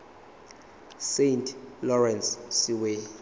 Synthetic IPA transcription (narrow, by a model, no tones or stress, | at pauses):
sentʼʰlɔrɛnssiwe